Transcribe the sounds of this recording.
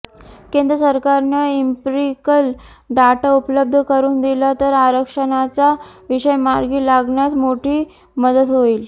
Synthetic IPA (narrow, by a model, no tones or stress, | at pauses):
kend̪ɾəsəɾkaɾnəimpɾikəl | ɖaʈaupələb̚d̪ʱəkəɾuːnd̪ilat̪əɾaɾəkʂənat͡saʋiʂəjmaɾɡiːlaɡɳjat͡smoʈʰiː | məd̪ət̪ɦoiːl